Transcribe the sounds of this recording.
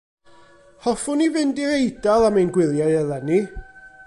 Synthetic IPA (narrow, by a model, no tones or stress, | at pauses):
hɔfʊnivɪndiɾejdalˠamajnɡwɪlˠjajɛlˠɛni